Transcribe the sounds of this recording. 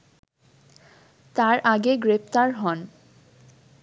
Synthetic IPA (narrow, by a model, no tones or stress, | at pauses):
t̪aɾaɡeɡɾep̚ʰt̪aɾɦɔn